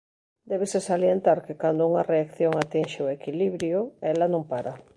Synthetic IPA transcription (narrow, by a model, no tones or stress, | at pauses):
d̪eβ̞esesaljent̪aɾkekand̪ouŋareakθjoŋat̪inʃeoekiliβɾjoelanõmpaɾa